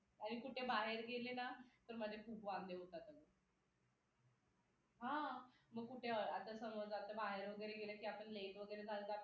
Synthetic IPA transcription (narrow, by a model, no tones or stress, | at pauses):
aɽ̃ikuʈʰebaɦeɾɡʱelenat̪əɾməd͡ʑ̪ʱekʰupʋand̪eɦot̪at̪əmi | ɦãməɡkuʈʰeat̪asəməd͡zat̪əbaɦeɾʋəɡəjɾeɡeləkiːapəɳlejt̪ʋəɡəjɾed͡zʱalt̪aa